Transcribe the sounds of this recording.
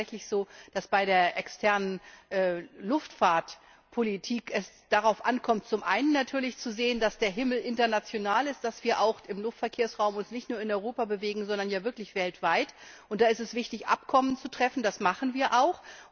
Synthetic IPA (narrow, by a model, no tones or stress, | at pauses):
ɛçlɪçz̥oːd̥asb̥aɪɾeːɐʔɛkstʰɛɐnənʔɛlʊftfaːɐt | pʰolitʰiːkɛs | d̥aʁaʊfʔa̰nkʰɔmt̚t͡sʊmʔa̰ɪnənːatʰyːɐlɪçt͡suzeːəndasd̥eːɐɦɪml̩ʔɪntɐnat͡sjonaːlɪst̚d̥asv̥iːɐʔaʊxɪmlʊftfɛɐkʰeːɐsʁaʊmʊnsnɪçtnuːɐɪnɔʏʁoːpabəveːɡŋ̩zɔndɐnjaːvɪɐklɪçv̥ɛltv̥aɪtʔʊntd̥aːɪstɛsv̥ɪçtɪçʔa̰pkʰɔmənt͡sutʁ̥ɛfn̩dasmaχn̩viːɐʔaʊx